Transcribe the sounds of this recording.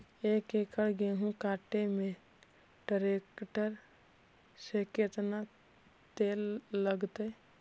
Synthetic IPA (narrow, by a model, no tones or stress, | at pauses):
ekekʰəɭɡeɦũkaːʈemẽ | ɖəɾekʈəɾ | seket̪na | t̪eːlːəɡt̪e